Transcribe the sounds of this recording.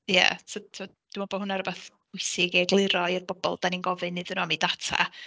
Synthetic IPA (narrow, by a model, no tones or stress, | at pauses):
ja̰tʰotʰo | d̥umɔbɔhʊnaɾəbaθb̥ʊɨsɪɡɛɡlˠɪɾɔɪrbɔbɔ̰lˠd̥aninɡɔvɨnɨðənɔamidatʰa̰